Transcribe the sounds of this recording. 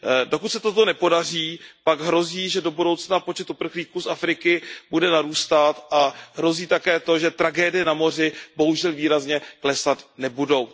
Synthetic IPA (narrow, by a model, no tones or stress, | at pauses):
do̞kut̪sɛt̪o̞t̪o̞nɛpo̞dariːpaɡɦɾo̞ziːʒɛdo̞budo̞wt͡snapo̞t͡ʃɛt̪upr̩xliːkuːsafɾɪkɪbudɛnaɾuːst̪at̪ʔaɦɾo̞ziːt̪akɛːt̪o̞ʒɛt̪ɾaɡɛːdɪjɛnamo̞r̝ɪbo̞ɦuʒɛlviːɾazɲɛklɛsat̪nɛbudo̞w